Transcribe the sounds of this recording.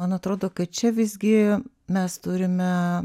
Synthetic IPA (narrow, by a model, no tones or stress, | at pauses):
ɐnɐt̪ɾoːd̪oːkɐt̚t͡ʃʲɛʋʲɪzʲɡʲɪ | mʲɛst̪ʊɾʲɪmʲɛ